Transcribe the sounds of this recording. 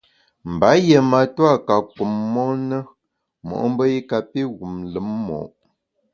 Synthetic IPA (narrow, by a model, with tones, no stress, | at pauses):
m̩˨ba˨˦je˨ma˨twa˦ka˨ku˨mːɔ˦nə˦ | mɔ̰˨ʔm̩˦bə˦i˦ka˨pi˦ɣu˨mlə˨˦mːɔ̰˨ʔ